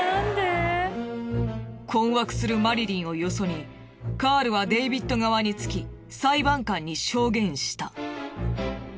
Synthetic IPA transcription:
nd̪e | kʰõ̞ɰ̃βakɯ̟̥sɨɾɯ̟maɾʲiɾʲĩɰ̃o̞jo̞so̞ɲ̟i | kaːɾɯ̟βad̪e̞bʲit̪ːo̞ɡaβaɲ̟it͡sɨ̥kʲi | saibãŋkãɲ̟ːiɕo̞ːɡẽ̞ɰ̃ɕi̥t̪a

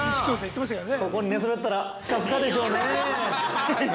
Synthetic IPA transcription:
ɕi̥kʲos̬ait̪ːemas̬ɨkaɾaneko̞ko̞ɲ̟ine̞sɨbe̞t̪ːaɾaskasɨkad̪e̞ɕo̞ːne

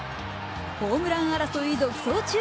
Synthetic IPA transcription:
hoːmɯɾaŋaɾasoid̪o̥sot͡ɕʰi

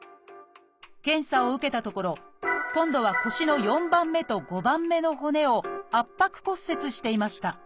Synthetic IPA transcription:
kẽ̞ɰ̃saoɯ̟ke̞t̪at̪o̞ko̞ɾo̞kõ̞nd̪o̞βako̞ɕino̞jõ̞mbãmːe̞t̪o̞ɡo̞bãmːe̞no̞ɦo̞ne̞o̞apːakɯ̟̥ko̞sːe̞t͡sɨɕi̥t̪e̞imaɕi̥t̪a

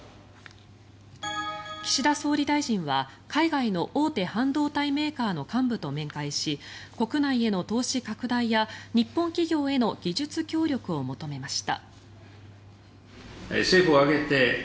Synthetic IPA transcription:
kʲi̥ɕid̪aso̞ːɾʲid̪aiʑĩɰ̃βakʰaiɡaino̞ʔo̞ːt̪e̞hãnd̪o̞ːt̪aime̞ːkaːno̞kãmbɯ̟t̪o̞mẽ̞ŋkaiɕiko̞kɯ̟naie̞no̞t̪o̞ːɕikakɯ̟d̪aijaɲ̟ipːõ̞ŋkʲiɡʲo̞ːe̞no̞ɡʲiʑɨt͡sɨkʲo̞ːɾʲo̞kɯ̟o̞mo̞t̪o̞me̞maɕi̥t̪a̰ | seːɸɯoaɡe̞t̪e̞

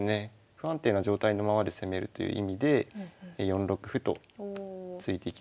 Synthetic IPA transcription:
ne̞ | ɸɯ̟ãnt̪e̞ːnaʑo̞ːt̪aino̞mamad̪e̞se̞me̞ɾɯ̟t̪o̞̰jɯ̰ːʔḭmʲid̪e̞jõ̞nɾo̞kɯ̟ɸɯ̟t̪o̞̰ | t͡sɨit̪e̞ikʲi

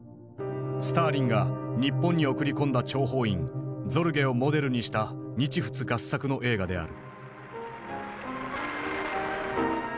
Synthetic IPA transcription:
sɨ̥t̪aːɾʲĩŋɡaɲ̟ipːõ̞ɲ̟ːio̞kɯ̟ɾʲikõ̞nd̪at͡ɕo̞ːɦo̞ːĩnd͡zo̞ɾɯ̟ɡe̞o̞mo̞d̪e̞ɾɯ̟ɲ̟iɕi̥t̪aɲ̟it͡ɕiɸɯ̟̥t͡sɨɡasːakɯ̟no̞ʔe̞ːɡad̪e̞a̰ɾɯ̟

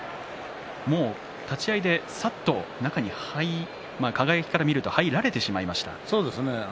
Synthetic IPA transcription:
mo̞ː | t̪at͡ɕiaid̪e̞sat̪ːo̞nakaɲ̟ihai | maːkaɡajkʲi̥kaɾamʲiɾɯ̟t̪o̞haiɾaɾe̞t̪e̞ɕimaimaɕi̥t̪a̰so̞ːd̪e̞sɨne

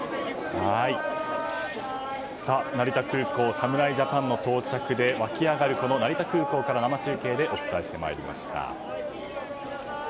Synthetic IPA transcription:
hai | sanaɾʲit̪akɯ̟ːko̞ːsamɯ̟ɾaiʑapãnːo̞t̪o̞ːt͡ɕakɯ̟d̪e̞βakʲiaɡaɾɯ̟ko̞no̞naɾʲit̪akɯ̟ːko̞ːkaɾanamat͡ɕɨːke̞ːd̪e̞ʔo̞fɯ̥t̪aeɕi̥t̪e̞ma̰eɾʲḭmʔa̰ɕi̥t̪a̰

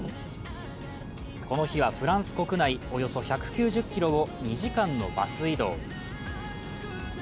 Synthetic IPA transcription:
ko̞no̞çiβ̞aɸɯ̟ɾãɰ̃sɨ̥ko̞kɯ̟naio̞jo̞so̞çakɯ̟̥kʲɨːʑɨkʲːiɾo̞ɡo̞ɲ̟iʑikãnːo̞̰ba̰sɨid̪o̞̰ː

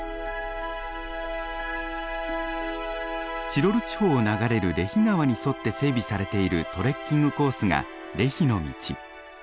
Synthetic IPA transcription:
t͡ɕiɾo̞ɾɯ̟t͡ɕi̥ho̞ːnaɡaɾe̞ɾɯ̟ɾe̞çiŋaβaɲ̟iso̞t̪ːe̞se̞ːbʲisaɾe̞t̪e̞iɾɯ̟t̪o̞ɾe̞kʲːĩŋɡɯ̟ko̞ːsɨŋa̰ | ɾe̞çino̞mʲḭt͡ɕḭ

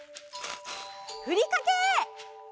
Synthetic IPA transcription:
hɯɾʲikake

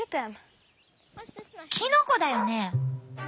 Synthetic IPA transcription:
t̪ɛm | kʲʰinoko̞d̪ajo̞ne

